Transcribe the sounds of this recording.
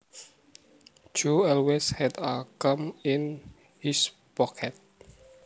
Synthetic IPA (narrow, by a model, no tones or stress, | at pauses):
d͡ʒoɔlweshɛdakəmin | his | pɔkʰɛt̪̚